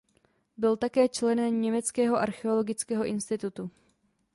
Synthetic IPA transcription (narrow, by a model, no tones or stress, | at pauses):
bɪlt̪akɛːt͡ʃlɛnɛmɲɛmɛt͡skɛːɦo̞ʔaɾxɛo̞lo̞ɡɪt͡skɛːɦo̞ʔɪnst̪ɪt̪ut̪u